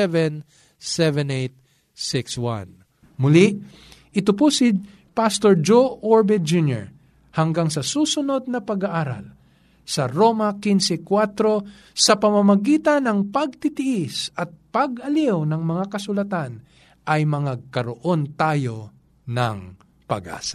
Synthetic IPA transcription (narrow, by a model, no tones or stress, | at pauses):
ɛvɛn | sɛvɛnejt̪̚ | sɪkswã̰n | mʊli | ʔɪt̪ʊposɪ | past̪oɹd͡ʒoʔoɹbɛd͡ʒunjɛ̰ɹ | hɐŋɡaŋsɐsuːsʊno̞d̪̚nɐpɐɡaʔaːɾɐ̰l | sɐɾo̞mɐkinsɛkwat̪ɾo̞ | sɐpɐmɐmɐɡiːt̪ɐnɐŋpɐɡ̚t̪ɪt̪ɪʔɪsɐt̪̚pɐɡɐliwnɐŋmɐŋakɐsʊlɐt̪an | ʔɐjmɐŋaɡ̚kɐɾoʔo̞nt̪aːjo̞ | nɐŋ | pɐ̰ɡʔa̰ːsɐ̥